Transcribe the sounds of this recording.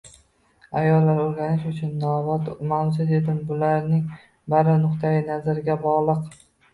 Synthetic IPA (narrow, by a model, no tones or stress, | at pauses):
ajɒlːaɾoɾɡʲanɪʃʊt͡ʃʰʊnːɒvat̪masɪt̪ed̪ɪmbʊlaɾnɪŋ | baɾɪnʊqt̪ʰajɪnazaɾɪɡʲabɒʁlˠɨq